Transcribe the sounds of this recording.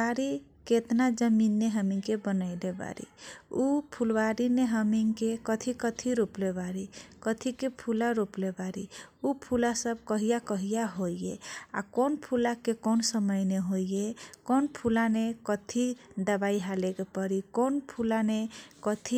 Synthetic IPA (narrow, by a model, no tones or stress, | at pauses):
aɾi | ket̪nad͡ʒʌminːeɦʌmiŋkebʌnajleba̰ɾḭupʰulbaɾineɦʌmiŋkekʌt̪ʰikʌt̪ʰiɾuplebaɾikʌt̪ʰikepʰulaɾuplebaɾiupʰulasʌb̚kʌɦijakʌɦijaɦojea̰konpʰulakekonsʌmʌjneɦojekonpʰulanekʌt̪ʰid̪ʌbaiɦalekepʌɾikonpʰulanekʌt̪ʰi